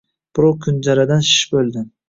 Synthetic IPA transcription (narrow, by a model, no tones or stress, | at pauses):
b̥ɾokʰʊnd͡ʒaɾad̪anʃɪ̥ʃbɵlˠd̪ɪ